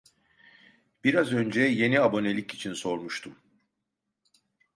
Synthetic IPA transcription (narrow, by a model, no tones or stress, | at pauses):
b̥iɾazø̞nd͡ʒɛje̞niabo̞ne̞lʲicit͡ʃʰinso̞ɾmuʃt̪ʰum